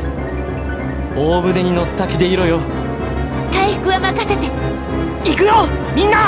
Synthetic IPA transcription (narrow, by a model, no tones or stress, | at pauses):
oːbɯ̟d̪e̞ɲ̟ino̞t̪ːakʲid̪eiɾojo | t̪aiɸɯ̥kɯ̟βamakase̞t̪e | ikɯ̟jomʲĩnːa